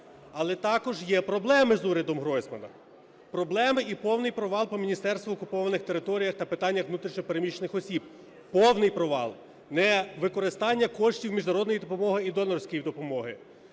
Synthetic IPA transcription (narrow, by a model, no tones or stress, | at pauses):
ɐlˠɛt̪ɑkɔʒjɛpɾɔblˠɛmɪzuɾʲɐd̪ɔmɦɾɔjsmɐnɐ̰ | pɾɔblˠɛmɪipɔwnɪjpɾɔʋɑlˠpɔmʲinʲist̪ɛrst̪ʋɔːkʊpɔʋɐnɪxt̪eɾɪt̪ɔɾʲijɐxt̪ɐpɪt̪ɑnʲːɐxʋnut̪ɾʲiʃɲʲɔpeɾemʲit͡ʃenɪxɔsʲib̚ | pɔwnɪjpɾɔʋɑ̰lˠ | nɛʋɪkɔɾɪst̪ɑnʲːɐkɔʃtʲiwmʲiʒnɐɾɔd̪nɔjid̪ɔpɔmɔɦɪid̪ɔlˠɐrsʲkɔjid̪ɔpɔmɔɦɪ